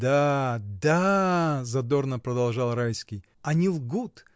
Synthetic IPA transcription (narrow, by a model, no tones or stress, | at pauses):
d̪ad̪azɐd̪o̞rnəpɾəd̪ɐlˠʐalˠɾajskʲij | ɐnʲilˠɡut̪